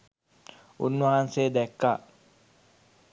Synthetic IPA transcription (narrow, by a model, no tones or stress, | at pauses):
unːuɦanseːd̪ɛkːaː